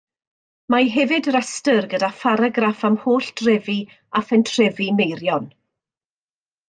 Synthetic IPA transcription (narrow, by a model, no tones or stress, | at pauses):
maɦɛvɨdrɛstərɡədafaɾaɡɾafamhoːɬd̥rɛvi | afɛntʰr̥ɛvimejɾjɔn